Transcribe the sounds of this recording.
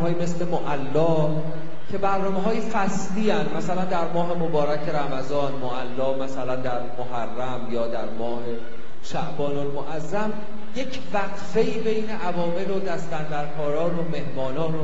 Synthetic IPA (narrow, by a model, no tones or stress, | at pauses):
ɒːjime̞sle̞moʔælːɒː | cʰe̞bæɾnɒːmeɦɒːjefæsliːænd̪mæsælænd̪æɾmɒːɦe̞mobɒːɾæcʰe̞ɾæmæzɒːnmoʔælːɒːmæsælænd̪æɾmoɦærːæmjɒːd̪æɾmɒːhe̞ | ʃæʔbɒːnolmoʔæzːæm | je̞cʰvæɣfe̞iːbejne̞ʔævɒːme̞lod̪æst̪ænd̪æɾkʰɒːɾɒːnome̞hmɒːnɒːno